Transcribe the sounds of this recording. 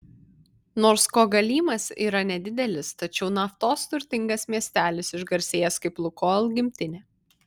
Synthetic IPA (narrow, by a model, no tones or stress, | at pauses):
noːɾskoːɡɐlʲiːmɐsḭːɾɐnʲɛd̪ʲɪd̪ʲɛlʲɪst̪ɐt͡ʃʲɛʊnɐft̪oːst̪ʊɾʲt̪ʲɪŋɡɐsmʲiɛsʲt̪ʲæːlʲɪsɪʒɡɐɾʲsʲeːjɛskɐɪplˠʊkoːlˠɡʲɪmʲt̪ʲɪnʲeː